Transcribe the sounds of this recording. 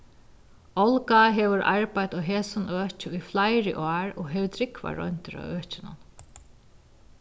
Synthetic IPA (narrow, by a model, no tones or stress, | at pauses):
ɔlkaɦɛːʋʏɾʔa̰ɹpajt̪ɔɦɛːsʊnʔœːt͡ʃɪʊjflajɾɪ̰ʔaːɹɔ̰ɣɦɛʋʏt̪ʰɾɪkva̰ɹɔ̰n̥t̪ɪɾa̰œːht͡ɕɪnʊ̰n